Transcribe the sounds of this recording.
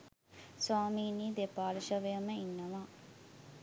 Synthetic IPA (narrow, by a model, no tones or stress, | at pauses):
saːmiːniːd̪epaːɾiʃɐʋeɐməinːɐʋaː